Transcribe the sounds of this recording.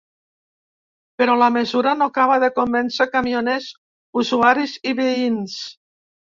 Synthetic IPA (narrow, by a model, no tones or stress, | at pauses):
peɾɔlamezuɾanokaβ̞aðekombɛnsekamionez | uzuaɾiziβeins